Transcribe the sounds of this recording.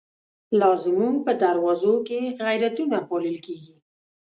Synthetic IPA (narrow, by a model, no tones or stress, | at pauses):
lɑzɪmunpəd̪aɾwɑzokeɣajɾat̪unapɑləlkeɡi